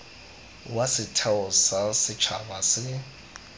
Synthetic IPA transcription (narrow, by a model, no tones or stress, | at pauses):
wasɪtʰaʊsasɪt͡ʃʰa̰basɪ